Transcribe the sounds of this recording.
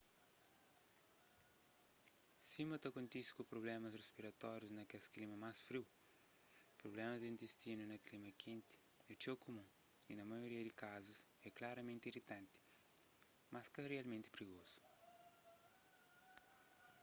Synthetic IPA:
simɐt̪ɐkõnt̪iskupɾoblɛmɐsrespiɾɐt̪ɔɾjuznɐkesklimɐmasfɾiw | pɾoblɛmɐzd̪ĩnt̪est̪inunɐklimɐkʰẽnt̪i̥ | ɛt͡ʃewkumũ | inɐmɐjoɾiɐd̪ikazusɛklaɾɐmẽnt̪irit̪ɐ̃nt̪i̥ | maskɐrialmẽnt̪i̥pɾiɣozu̥

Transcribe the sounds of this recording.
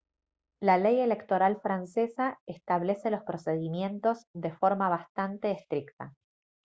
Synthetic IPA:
laleje̞le̞kt̪o̞ɾalfɾansesaest̪aβ̞lese̞lospɾo̞seð̞imje̞nt̪o̞zðe̞fo̞ɾmaβ̞ast̪ant̪eːst̪ɾikt̪a

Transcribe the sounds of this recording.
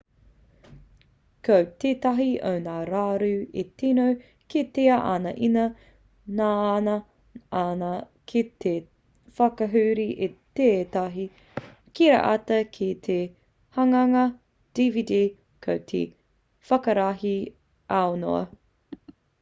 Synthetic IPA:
kəwt̪eːt̪ɐɦiʔo̰wnaːɾaːɾʉːet̪inow | ket̪eɐʔa̰nɐʔinɐ | naːnɐ | ana | kʰit̪e | fɐkɐɦʉːɾiʔet̪eːt̪ɐɦi | kiɾɐ̰ʔɐtɐkʰit̪ʰe | hɐŋɐŋɐ | d̥ividiː | kʰɐwt̪ʰḛ | fɐkɐɾaɦi | ʔaono̰ɐ̰

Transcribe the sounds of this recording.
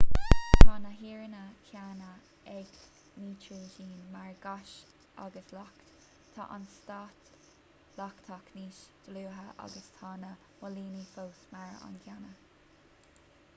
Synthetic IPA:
t̪ʰɑːnəɦiːɹənəkʰjaːnə | ɛɡ | niːt͡ʃɹuʒiːnmaɹɡaʃt | a̰ɡəslak | t̪ʰɑ̰ʔa̰nst̪ɑt̪ | lɑkt̪ʰɑkʰniːʃd̪̥luːɦəʔa̰ɡəst̪ʰɑːnə | mɔliːnifoːsmaɹa̰nkʰjanə

